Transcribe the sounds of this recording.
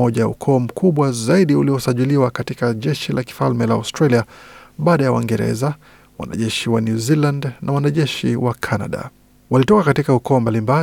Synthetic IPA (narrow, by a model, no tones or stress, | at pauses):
ɔʄaṵkʰɔːm̩kʰuɓwazaiɗiuliɔsaʄiliwakatikaʄɛʃilʔaki̥falmɛlaa̰wstɾaliaɓaːɗajawa̰iŋɡɛɾɛ̰za | wa̰na̰ʄɛʃiwanjuzilandnawanaʄɛʃiwakʰana̰ɗa̰ | walitɔkakatikaukɔːmbalimba